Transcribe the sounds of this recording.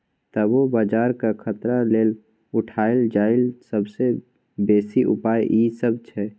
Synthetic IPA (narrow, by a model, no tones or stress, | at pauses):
t̪əbobaːd͡ʒaːɾkakʰət̪ɾaleːl | ʊʈʰaːɪld͡ʒaːɪlsəbse | beːsiʔʊ̰paːjʔiːsəb̚t͡ʃʰɛ